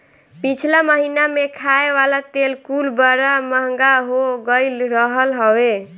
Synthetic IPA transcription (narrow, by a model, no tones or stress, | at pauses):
pit͡ʃʰlaməɦinamekʰaeʋalat̪elkulbəɾaməɦŋɡaɦoɡəlɾəɦəlɦəwe